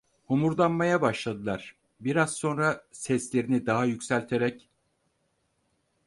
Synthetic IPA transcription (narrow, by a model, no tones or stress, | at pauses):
humuɾd̪anmajabaʃlˠad̪ɯlˠaɾ̥ | biɾaz̥so̞nɾasɛslʲe̞ɾinid̪aɦajycsælʲt̪ʰe̞ɾɛc